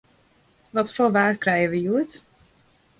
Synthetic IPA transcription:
ʋɔtfoːʋaːrkrɛjəʋəjuət

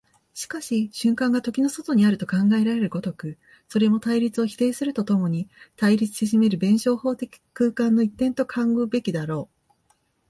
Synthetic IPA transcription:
ɕi̥kaɕiɕɨ̃ŋkãŋɡat̪o̞kʲino̞so̞t̪o̞ɲ̟iaɾɯ̟t̪o̞kãŋɡae̞ɾaɾe̞ɾɯ̟ɡo̞t̪o̞kɯ̟ | so̞ɾe̞mo̞t̪aiɾʲit͡sɨo̞çi̥t̪e̞ːsɨɾɯ̟t̪o̞t̪o̞mo̞ɲ̟it̪aiɾʲit͡sɨ̥ɕiʑime̞ɾɯ̟bẽ̞ɰ̃ɕo̞ːho̞ːt̪e̞kʲi̥kɯ̟ːkãnːo̞it̪ːẽ̞nt̪o̞kʰãŋɡoːbe̞kʲid̪aɾo̞ː

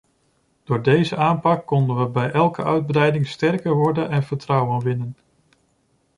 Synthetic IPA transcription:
d̥ʊːɹdejzəaːmpɑkːɔndənʋəbɛjʔɛlˠkəʔœɥd̚brɛjdɪŋstɛrkəɹʋɔɹdənɛnv̥əɹtrɑwənʋɪnən

